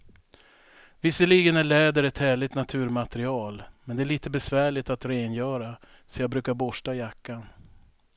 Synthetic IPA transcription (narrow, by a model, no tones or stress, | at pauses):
vɪsːəɭiɡənæɭɛːd̪əɾɛt̪hæːɭɪt̪nat̪ʰʉ̟ːɾmat̪ɛɾɪɑːlmɛnd̪ɛæɭiːt̪əbɛsvæːɭɪt̪at̪ɾeːnjœːɾa | sɔjɑːɡbɾʉ̟ːkaɾbɔʂʈajakːan